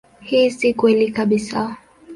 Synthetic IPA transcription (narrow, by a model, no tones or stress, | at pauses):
hiːsikwɛlikaɓisa